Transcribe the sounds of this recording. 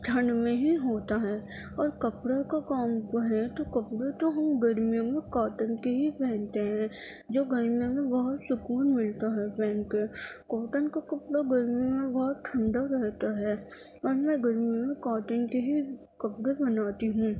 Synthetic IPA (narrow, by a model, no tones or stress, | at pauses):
d͡ʒʱʰənmẽɦiɦoːt̪aɦɛː | ɔːɾkɐpɽakakaːmkɐɦẽt̪okɐpɽet̪oɦɐmɡɐɾmijõmẽkaːʈənkeɦipɛːnt̪eɦɛ̃ | d͡ʒoːɡɐɾmijõmẽbɐɦʊt̪sʊkuːɾmɪlt̪aɦɛpɛːnkekaːʈənkakɐpɽaɡɐɾmijõmẽbɐɦʊt̪ʈ̪ʰə̃ɳɖaɾɛɦt̪aɦɛː | ɔːɾmɛ̃ɡəɾmijõmẽkaːʈənkeɦi | kɐpɽebɐnaːt̪iɦũː